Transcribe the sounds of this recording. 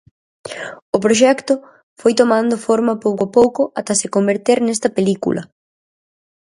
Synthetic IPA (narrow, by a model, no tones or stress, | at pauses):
ʊpɾoʃ̬ɛkt̪ʊ | fojt̪omãnd̪ʊfoɾmɐpowkapowkʊʔat̪ɐsɪkombeɾt̪eɾnɛst̪ɐpelikṵlɐ̰